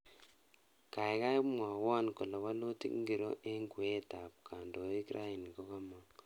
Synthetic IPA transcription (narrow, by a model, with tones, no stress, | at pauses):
ka˨i˦ɣa˦i˦mwa˨wa˦niko˨la˨wa˦lo˦tḭ˦ŋɡi˨ɾo̰˦ʔe˦ŋɡwe˦ta˨pkʰa˨ndo˨e˦kiɾʔa˦i˨ni˨ko˦ɣa˦maŋ